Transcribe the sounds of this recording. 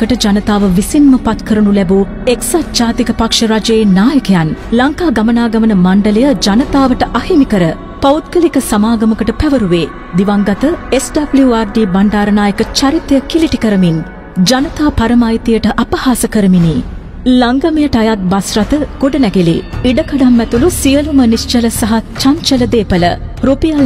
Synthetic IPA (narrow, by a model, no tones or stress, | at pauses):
kəʈəd͡ʒɐnət̪aːʋəʋisinməpat̪kʰəɾunulɛbu | eksatd͡ʒaːt̪ikəpakʂəɾad͡ʒɐjenaːjəkejanlɐŋkaːɡamənaːɡɐmənəmaɳɖəlejəd͡ʒɐnət̪aːʋəʈəʔahimikəɾə | pɐut̪kəlikəsamaːɡɐməkəʈəpɛʋəɾuʋeː | d̪iʋaŋɡɐt̪əesɖɐbljuaɾɖiːbaɳɖaːɾənaːjəkət͡ʃaɾit̪jəkiliʈikəɾəmin | d͡ʒɐnət̪aːpɐɾəmaːjit̪ijəʈəʔɐpɐhaːsəkəɾəminiː | laŋɡamijəʈajat̪̚basɾɐt̪əɡ̥oɖɐnɛɡelḭiɖəkɐɖamːɛt̪ulusijəlumənist͡ʃələsɐɦat͡ʃaɲt͡ʃələd̪eːpələ̰ɾopijal